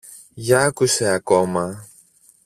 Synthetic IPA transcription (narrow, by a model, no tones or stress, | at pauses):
ʝɐkuse̞ɐkomɐ